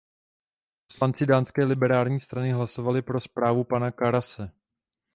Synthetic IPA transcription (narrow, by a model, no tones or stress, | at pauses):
poslant͡sɪdaːnskɛːlɪbɛɾaːlɲiːst̪ɾanɪɦlaso̞valɪpɾo̞spɾaːvupanakaɾasɛ